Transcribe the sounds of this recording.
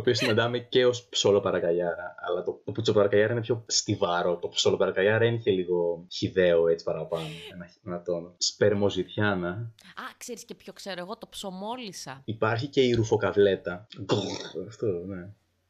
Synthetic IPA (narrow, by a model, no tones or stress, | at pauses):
t̪oːpio̞sinɐnd̪ɐmece̞o̞spso̞lo̞pɐɾɐkɐʝɐɾɐɐlɐt̪ot̪oput͡sopɐɾɐkɐʝɐɾɐinepço̞st̪ivɐɾo̞t̪o̞pso̞lo̞pɐɾɐkɐʝɐɾɐeniçeliɣo̞çiðe̞oe̞t͡si̥pɐɾɐpɐnoenɐinɐt̪o̞nspeɾmo̞zitçɐnɐɐkseɾiscepçokseɾoeɣot̪opsomolisɐipɐɾçice̞iɾufo̞kɐvle̞t̪ɐɡoɐft̪one̞